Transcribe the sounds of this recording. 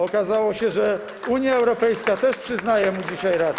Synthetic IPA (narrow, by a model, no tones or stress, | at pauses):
ɔkazawɔɕɛʐɛ | uɲjaɛwɾɔpɛjskat̪ɛʂpʂɘznajɛmud͡ʑiɕajɾad̪